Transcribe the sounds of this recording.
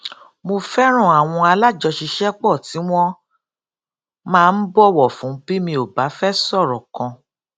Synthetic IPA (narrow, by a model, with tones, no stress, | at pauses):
mo˧fɛ˦ɾ̃ɔ̃˦˨a˨w̃ɔ̃˧a˧la˦˨d͡ʒɔ˧ʃi˧ʃɛ˦k͡pɔ˦˨ti˨˦w̃ɔ̃˦ | mãː˦˧n̩˦bɔ˦˨wɔ˦˨fũ˨˦bi˦mĩ˧o˨ba˨˦fɛ˦sɔ˦˨ɾɔ̃˨kɔ̃˧